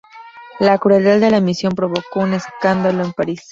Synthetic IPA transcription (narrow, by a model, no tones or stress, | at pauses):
lakɾueld̪aðd̪e̞lamisjo̞mpɾo̞βo̞ko̞une̞skand̪alo̞empaɾis